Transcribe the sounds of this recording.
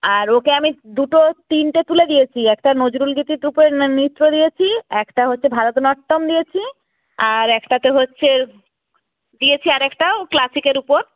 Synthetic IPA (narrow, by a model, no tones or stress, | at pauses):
aɾokeamid̪uʈot̪inʈet̪uled̪ijet͡ɕʰiɛkʈanod͡ʑɾulɡit̪iʈɾupeɾnit̪ːɾod̪ijet͡ɕʰiɛkʈaɦotːɕʰebʱaɾot̪onɔʈːomd̪ijet͡ɕʰi | aɾɛkʈat̪eɦotːɕʰe | d̪ijet͡ɕʰiaɾɛkʈaoklasikeɾupoɾ